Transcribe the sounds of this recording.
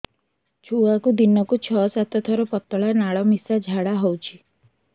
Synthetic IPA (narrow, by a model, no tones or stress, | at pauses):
t͡ʃʰuakud̪inɔkut͡ʃʰɔsat̪ɔt̪ʰɔɾɔpɔt̪ɔɭanaɭɔmisad͡ʒʱaɽaɦɔwt͡ʃʰi̥